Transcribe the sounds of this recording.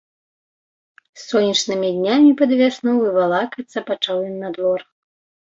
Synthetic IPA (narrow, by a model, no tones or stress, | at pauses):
sːɔnʲːɐt͡ʂnɨmʲid̪ʲnʲamʲipɐd̪vʲasnuvɨvalˠakɐt̪sɐpat͡ʂawinːad̪vɔr